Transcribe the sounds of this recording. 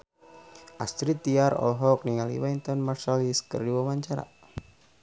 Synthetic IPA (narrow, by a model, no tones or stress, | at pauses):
ʔast̪ɾit̪iaɾɔ̰lɦɔk̚niŋalḭwaint̪ɔnmarsaliskə̰rdiwamaɲt͡ʃaɾa̰